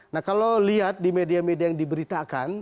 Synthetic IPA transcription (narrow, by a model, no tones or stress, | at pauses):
nahkaloliat̪̚dimediamediajaŋdibəɾit̪akan